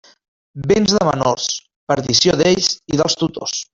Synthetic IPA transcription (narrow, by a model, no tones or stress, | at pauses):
benzðəmə̰nors | pəɾðisjoðeʎsiðəlˠst̪ut̪os